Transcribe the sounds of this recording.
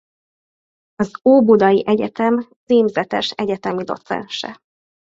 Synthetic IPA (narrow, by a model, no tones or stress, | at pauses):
ɒzoːbud̪ɒjiʔɛɟɛt̪ɛmt͡siːmzɛt̪ɛ̰ʃɛɟɛt̪ɛmid̪o̞̰t̪sɛ̰nʃɛ̰